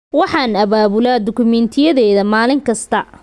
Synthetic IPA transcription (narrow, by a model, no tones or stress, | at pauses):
wɑħɑːnɐβaːβʊlaːd̪ʊkʰʊmɛnt̪ʰɪjɐðɛːðɐmaːlɪŋkʰɐst̪ʰɐ